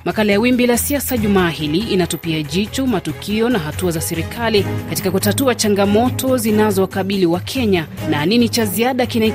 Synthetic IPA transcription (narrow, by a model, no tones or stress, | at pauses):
makalajawimbilasiasaʄumaːhiliːnatupiaʄit͡ʃɔmatukʰiɔnaɦatuazasɛɾikʰalikatikakutatuat͡ʃaŋɡamɔtʰɔzinazɔkaɓiliwakʰɛɲananinit͡ʃaziaɗakina